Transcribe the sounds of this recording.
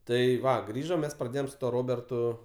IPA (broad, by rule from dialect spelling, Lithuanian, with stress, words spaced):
ˈtɐɪ ˈʋɐ ˈɡrʲiːʒoːm ˈmʲɛs prɐˈdʲeːjoːm sʊ ˈtuɔ ˈroːbʲɛrtʊ